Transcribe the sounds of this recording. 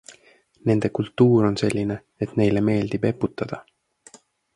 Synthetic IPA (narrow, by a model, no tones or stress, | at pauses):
ne̞nd̪̥e̞kult̪ːuːɾo̞nse̞lʲːine̞ | et̪ne̞jle̞me̞ːld̪̥ibe̞pːut̪ːˑɑd̪̥ɑ